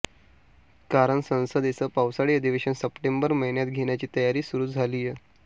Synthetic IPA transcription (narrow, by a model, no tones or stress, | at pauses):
kaɾəɳsə̃ñsəd̪esəːpawsaɽiːəd̪iʋeɕənsəpʈembəɾməɦiɳjat̪ɡʱeɳjat͡ɕiːt̪əjaɾiːsuɾuːd͡zʱaliːje